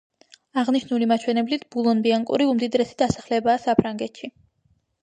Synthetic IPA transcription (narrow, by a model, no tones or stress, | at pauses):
aʁniʃnulimat͡ʃʰwɛnɛblit̪ʰbulˠɔnbiaŋkʼṵɾiumd̪id̪ɾɛsid̪̥asḁχlɛbaːsapʰɾaŋɡɛt̪ʰʃi